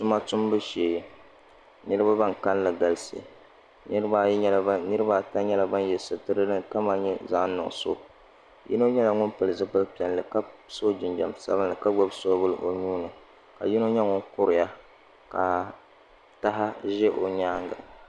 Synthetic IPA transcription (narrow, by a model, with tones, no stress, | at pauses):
tʊ˦ma˦tʊ˦mbɨ˦ʃeː˨ | nɨ˦ɾɨ˦ba˦ba˦ŋka˦n˦lɨ˨ɡa˨lɨ˦sḛ˨ | nɨ˦ɾɨ˦ba˦ɲɛ˦la˨˦nɨ˦ɾɨ˦ba˦˨ta˦ɲɛ˦la˨ba˦njɛ˨sɨ˨tɨ˦ɾɨ˦lɨ˦ka˦ma˨ɲɛ˦za˦nʊ̰˨so̰˦ | jḭ˦no˦ɲɛ˦la˨ŋʊ˦npɨ˨lɨ˨zɨ˦pɨ˦lpi˨ɛ˨nlɨ˨ka˦so˦d͡ʒɪ˨nd͡ʒa˨msa̰˦βɨ˦nlɨ˨ka˦ɡ͡bɔ˦bso˦bɨ˦lɨ˨ʔo˨ɲuː˦nɨ˨ | ka̰˨ji˦no˦ɲɛ˦ŋʊ˦nkʊ˦ɾɪ˨ja˦ | ka˨ | ta˦ɦa˦ʒɛ˦ʔo˨ɲaː˦ŋɡa̰˨